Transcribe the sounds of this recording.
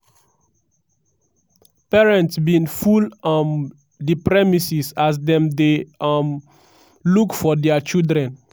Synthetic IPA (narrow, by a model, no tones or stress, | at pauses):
pɛɹɛ̃ntsbĩnfulam | dipɹɛmisisasdɛ̃mdem | lukfɔdɛat͡ʃildɹɛ̃n